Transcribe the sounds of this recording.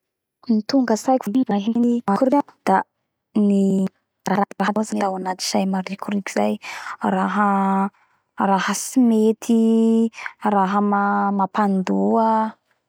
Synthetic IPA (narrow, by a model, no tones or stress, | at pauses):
mit̪uŋɡəsajkvulivaɦinimakuɾiad̪̥a | ni | raɾaaɦaazanet̪awanat̪i̥ʃajmaɾikuɾikizajraɦə | rahəsimet̪ʰi | raɦəmamapand̪uə